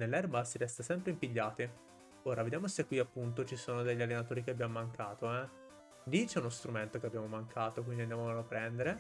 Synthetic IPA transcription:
nelːɛrbasiɾɛst̪asɛmpɾeimpiʎːaːt̪i | oːɾaved̪jaːmosekːwiapːunt̪̬ot͡ʃisoːnod̪eʎːalːenat̪oːɾikeabjamomaŋkʰaːt̪oɛ | d̪it͡ʃɛunost̪ɾument̪okeabːjamomaŋkʰaːt̪ok̬wind̪iand̪jamoalapːɾɛnd̪eɾe

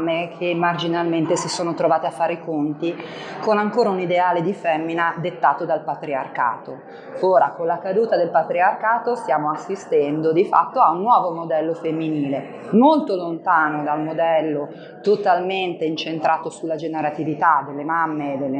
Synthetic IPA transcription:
mːekʰemːard͡ʒinalment̪esisoːnot̪ɾovaːt̪eafːaːɾikont̪ikonaŋkoːɾaunid̪eaːled̪ifɛmːinad̪et̪ːaːt̪od̪alpat̪ɾiarka̰ːt̪o | oːɾakonlakad̪uːt̪ad̪elpat̪ɾiarkaːt̪ost̪jaːmoasːist̪ɛnd̪od̪ifa̰t̪ːoaunːwɔːvomod̪ɛlːofemːiniːle | molt̪olont̪aːnod̪almod̪ɛlːo | t̪ot̪alment̪eint͡ʃent̪ɾʔaːt̪osulːad͡ʒeneɾat̪ivit̪ad̪elːemamːed̪elːe

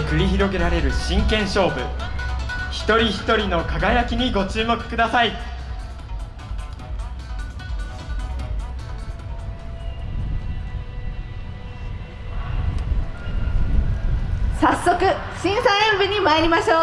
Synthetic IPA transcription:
kɯ̟ɾʲiçiɾo̞ɡe̞ɾaɾe̞ɾɯ̟ɕĩŋkẽ̞ɰ̃ɕo̞ːbɯ̟ | çi̥t̪o̞ɾʲiçi̥t̪o̞ɾʲino̞kaɡajakʲiɲ̟iɡo̞t͡ɕɨːmo̞kɯ̟̥kɯ̟d̪asai | sasːo̞kɯ̟ | ɕĩɰ̃saẽmbɯɲ̟imaeɾʲimaɕoː

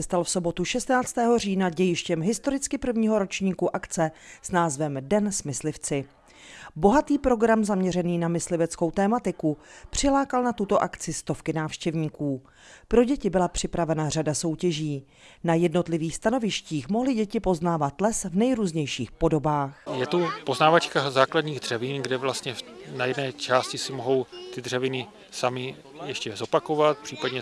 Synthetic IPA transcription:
ɛst̪alfso̞bo̞t̪uʃɛst̪naːt͡st̪ɛːɦo̞r̝iːnaɟɛjɪʃcɛmɦɪst̪o̞ɾɪt͡skɪpr̩vɲiːɦoɾo̞t͡ʃɲiːkuʔakt͡sɛsnaːzvɛmdɛnsmɪslɪft͡sɪ | bo̞ɦat̪iːpɾo̞ɡɾamzamɲɛɾɛniːnamɪslɪvɛt͡sko̞wt̪ɛːmat̪ɪkupr̝̥ɪlaːkalnat̪ut̪o̞ʔakt͡sɪst̪o̞fkɪnaːfʃcɛvɲiːkuː | pɾo̞ɟɛcɪbɪlapr̝̥ɪpɾavɛnaradaso̞wcɛʒiː | najɛdno̞t̪lɪviːxst̪ano̞vɪʃciːxmo̞ɦlɪɟɛcɪpo̞znaːvat̪lɛsvnɛjɾuːzɲɛjʃḭːxpo̞do̞baːxjɛt̪upo̞znaːvat͡ʃkazaːkladɲiːɣdr̥ɛvɪnɡdɛvlast̪ɲɛfnajɛdnɛːt͡ʃaːscɪsɪmoɦo̞wt̪ɪdrɛvɪnɪ | samɪ | jɛʃcɛzo̞pakovat̪̚pr̥iːpadɲɛ

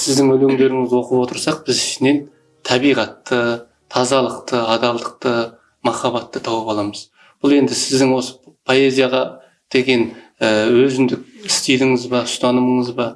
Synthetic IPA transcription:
sɪzd̪ɪŋɵleŋd̪e̞ɾɪŋɪzwo̞qəpwo̞t̪əɾsɑq̚b̥ɪzɪʃɪne̞n | t̪ʰɑbijʁɑt̪ːə | t̪ʰɑzɑlˠəqt̪əɑd̪ɑlˠd̪əq̚t̪ə | mɑχɑβɑt̪ːət̪ʰɑwəpɑlˠɑməz̥ | b̥ʊlˠe̞nd̪ɪsɪzd̪ɪŋwo̞sə̥pʰo̞e̞zijɑʁɑ | d̪̥e̞ɡʲe̞nəwɵzɪnd̪ɪk̚ʲɪst̪ijlɪŋɪzbɑst̪ɑnəməɴəzbɑ

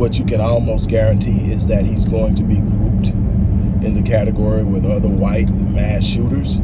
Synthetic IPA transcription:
wʌt͡ʃɨkɨ̃nɔlˠmoʊstɡ̥ɛɹɨ̃ntʰiɪzðɨt̚hizɡoʊɪ̃ŋtʰɨbikʰup̚t | ʔɨ̃nðɨkʰæɾɨɡɔɹiwɪðʌðə˞waɪt̚ | mæsʃuɾə˞z̥

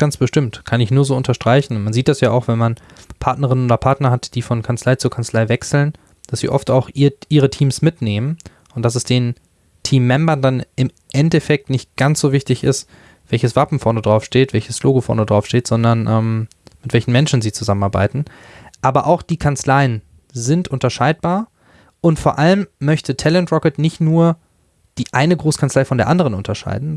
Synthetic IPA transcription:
ɡ̥ansb̥əʃtɪmtkʰanɪçnuːɐzoːʊntɐʃtʁ̥aɪçn̩manziːt̚d̥asjaːʔa̰ʊxv̥ɛnman | pʰaɐtnəʁ̞ɪnənʔoːdɐpʰaɐtnɐhatd̥iːfɔnkʰant͡slaɪt͡suːɐkʰant͡slaɪvɛksl̩n | d̥asz̥ḭːʔɔftaʊxʔiʔiːʁ̞ətʰiːmsmɪtneːmən | ʔʊntd̥asɛsd̥eːn | tʰiːmːɛmbɐndanɪm | ʔɛntɛfɛk̚tnɪçt̚ɡ̥ant͡sz̥oːvɪçtɪçɪ̰st | v̥ɛlçəsv̥apm̩fɔɐnədʁaʊfʃteːtv̥ɛlçəsʃloːɡofɔ̰ɐnədʁaʊfʃteːtz̥ɔndɐnʔɛm | mɪtv̥ɛlçn̩mɛnʃn̩ziːt͡suzamənaɐba̰ɪtn̩ | ʔaːbɐʔaʊxd̥iːkʰant͡slaɪən | zɪntʔʊntɐʃaɪt̚b̥aːɐ | ʔʊntfoːɐʔaləmːœçtətʰɛlɛntʁɔkətnɪçtnuːɐ | d̥iːʔaɪnəɡʁoːskʰant͡slaɪfɔndeːɐʔandəʁənʊntɐʃa̰ɪdn̩

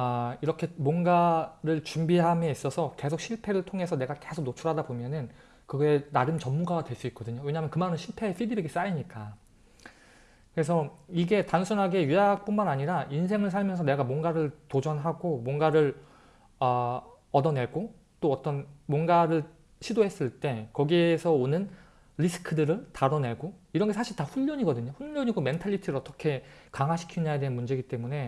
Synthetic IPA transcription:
aiɾʌkʰe̞mwʌnɡaɾɯɭt͡ɕumbiɦamjʌis͈ʌsʰʌke̞sʰok̚ɕ͈ʰiɭpʰe̞ɾɯɭtʰoŋe̞sʰʌne̞ɡake̞sʰok̚not͡ɕʰuɾɦadabomjʌnɯn | kɯɡʌenaɾɯnt͡ɕʌmːuɡaɡadwe̞ɭs͈uit̚k͈̚ʌdɯɲowe̞ɲamjʌnkɯmanɯnɕʰiɭpʰe̞pʰidibiɡis͈aiɲik͈a | kɯɾe̞sʰʌiɡe̞tansʰunɦaɡe̞jujak̚p͈unmanaɲiɾainsʰe̞ŋɯɭsʰaɭmjʌnsʰʌne̞ɡamwʌnɡaɾɯɭtod͡ʑʌnɦaɡomwʌnɡaɾɯɭ | ʌ | ʌdʌne̞ɭɡo | t͈oʌt͈ʌnmwʌnɡaɾɯɭ | ɕʰidoɦe̞s͈ɯɭt͈e̞kʌɡiesʰʌonɯn | ɾisʰɯ̥kʰɯdɯɾɯɭtaɾʌne̞ɭɡo | iɾʌnŋɡe̞sʰaɕʰiɭtaɸuʎːʌɲiɡʌdɯɲoɸuʎːʌɲiɡome̞ntʰaʎːitʰiɾɯɾʌt͈ʌkʰe̞kaŋɦaɕʰi̥kʰiɲajadwenɯnmund͡ʑe̞ɡit͈e̞mune̞

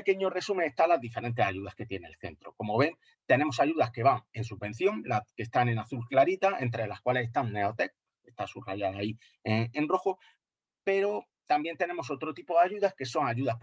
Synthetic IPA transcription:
eke̞ɲo̞re̞sume̞ŋest̪alazðife̞ɾe̞nt̪e̞saʝuðaske̞t̪je̞ne̞̰lθe̞̰nt̪ɾo̞ko̞moβe̞ŋ | t̪e̞ne̞mo̞saʝuðaske̞βaŋe̞nsuβbẽ̞n̟θjo̞ŋlakest̪ane̞naθulklaɾit̪ae̞nt̪ɾelaskwale̞sest̪anne̞ot̪e̞k̚ | est̪asuraʝaðai | eŋenro̞xo | pe̞ɾo̞ | t̪ambje̞nt̪e̞ne̞mo̞so̞t̪ɾot̪ipo̞ðaʝuðaske̞so̞ŋaʝuðasp

